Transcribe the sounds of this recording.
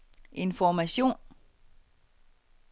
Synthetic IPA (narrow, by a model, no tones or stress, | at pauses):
ʔe̝nfɒmæɕo̝̰ːn